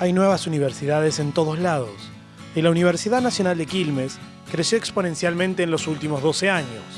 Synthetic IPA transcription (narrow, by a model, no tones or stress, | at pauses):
ajnwe̞βasuniβ̞eɾsiðaðese̞nt̪o̞ð̞oslað̞o̰s | ilauniβ̞eɾsiðaðnasjonald̪ekilmes | kɾesjoeksponẽ̞nsjalmẽnt̪eːnlo̞sult̪imozðo̞seaɲos